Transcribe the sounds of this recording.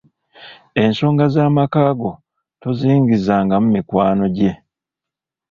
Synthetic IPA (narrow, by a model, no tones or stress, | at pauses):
e̞nso̞ːŋɡazaːmakaːɡo̞ | toziːŋɡizaːŋɡamumikwaːno̞ɟe̞